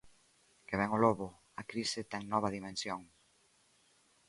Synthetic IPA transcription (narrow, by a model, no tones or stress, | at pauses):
keβɛŋoloβʊ | ɐkɾisɪt̪ɛŋnɔβ̞ɐðimẽnsjoŋ